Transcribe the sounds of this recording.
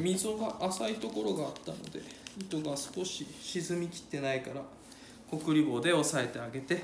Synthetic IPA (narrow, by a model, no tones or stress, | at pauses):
mʲizoɡaʔːsait̪o̞ko̞ɾo̞ɡaːt̪ːano̞̰d̪e̞̰it̪o̞ɡasɨ̥ko̞ɕiɕizɨmʲikʲi̥t̪ːe̞naikaɾa | ko̞kɯ̟ɾʲibo̞ːd̪e̞o̞sae̞t̪e̞aɡe̞t̪e̞